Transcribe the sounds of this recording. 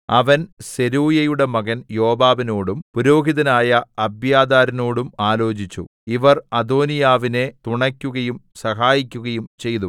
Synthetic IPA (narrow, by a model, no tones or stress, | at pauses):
ɐʋɐnse̞ɾuːjɐjuɽe̞mɐɣɐnjo̞ːbaːʋino̞ːɽumpuɾo̞ːɡiðɐnaːjɐɐbjaːd̪aːɾɐno̞ːɽumaːlo̞ːt͡ɕit͡ɕːṵiʋɐrɐd̪o̞ːnijaːʋine̞t̪uɳɐkʲːuɣɐjumsɐɦaːjikʲːuɣɐjumt͡ɕe̞jt̪u